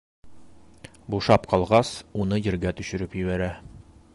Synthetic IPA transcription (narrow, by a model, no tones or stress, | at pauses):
buʃɑpqɒlˠʁɑsunɤjɘ̆ɾɡæt̪ɵ̆ɕɘ̆ɾɘpjɘ̆βæɾæ